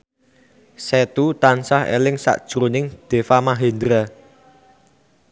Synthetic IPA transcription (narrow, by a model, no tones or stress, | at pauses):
set̪ut̪ansahḛlɪŋsa̰ʔd̥ʒ̥ɾonɪŋd̪̥e̤famaɦend̪ɾa